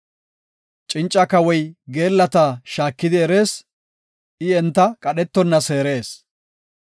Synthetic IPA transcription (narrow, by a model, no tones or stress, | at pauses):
t͡ʃʼɪnt͡ʃʼːɐkɐwɔjɡe̞ːlːɐt̪aːʃaːkːɪd̪ɪɛɾe̞ːs | ʔɪɛnt̪ːɐkʼɐɗɛt̪ːɔnːɐse̞ːɾe̞ːs